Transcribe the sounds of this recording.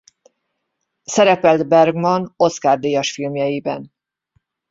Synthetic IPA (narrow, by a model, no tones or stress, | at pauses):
sɛɾɛpɛld̪bɛrɡmɒno̞skaːrd̪eːjɒʃfilmjɛjibɛn